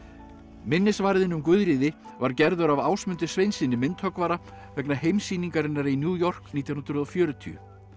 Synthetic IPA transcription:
mɪnːɪsvaɾðɪnʏmkvʏðɾiːðɪvaɾcɛɾðʏɾavaːwsmʏnt̪ɪ̥svejnsɪnːɪmɪnt̪hœkvaːɾa | vɛknahejmsiːniŋkaɾɪnːaɾinjuːjɔr̥kniːt̪jannɾðɔfjœːɾʏt̪ʰy̰ʏ̰

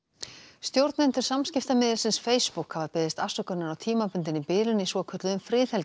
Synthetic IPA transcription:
st̪jowɾt̪naɛnt̪ʏɾ̥samscɪft̪amɪːðɪlsɪnsfeːjspukhavapɪːðɪst̪asœkʏnːaɾawt̪ʰiːmapʏnt̪̬ɪnːipɪːlʏnisvɔkʰœt̪lʏʏmfɾɪːθhɛlt

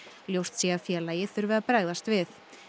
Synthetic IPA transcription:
ljowst̪sjɛɣafjɛːlajɪθʏɾvɪðapɾaːjðast̪vɪθ

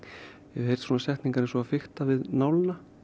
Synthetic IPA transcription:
jɛ̥hejɾ̥t̪sɔːnasɛht̪niŋkaɾɛnsɔafɪxt̪avɪðnaːwlɪna

